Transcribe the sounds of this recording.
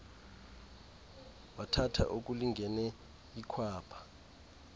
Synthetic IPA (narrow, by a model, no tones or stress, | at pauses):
watʰatʰa̰ʔok̬ʼuliŋɡʱɛnɛ | ikʰwaːpʰḁ